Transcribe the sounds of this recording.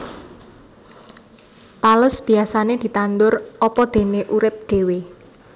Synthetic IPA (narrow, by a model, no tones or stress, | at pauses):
t̪aləsb̥i̤asaned̪̥i̤t̪and̪ʊrɔpɔd̪̥e̤neʔuɾɪp̚ɖ̪̥e̤we